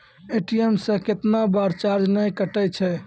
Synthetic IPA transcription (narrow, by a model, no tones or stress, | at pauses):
eʈiemsẽket̪nabaɾt͡ʃaɾd͡ʒnəjkəʈət͡ʃʰɛ